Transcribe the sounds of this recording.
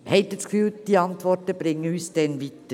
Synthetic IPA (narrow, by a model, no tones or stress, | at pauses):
hɛɪt̪ːəskfyːld̥iːɑntʋɔtəb̥ɾɪŋːəyːsd̥ɛnʋit̪ə